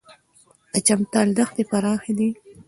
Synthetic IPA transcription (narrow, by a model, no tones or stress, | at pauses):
d̪̥ət͡ʃamt̪ɑld̪axd̪epaɾɑːxed̪i